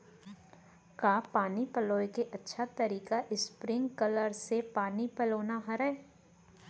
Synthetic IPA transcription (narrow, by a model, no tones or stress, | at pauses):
kaːpaːnipɐloːekeʔɐtːʃʰat̪ɐɾiːkaʔɪspɾɪ̃ŋɡkɐləɾsepaːnipɐloːnaɦɐɾəe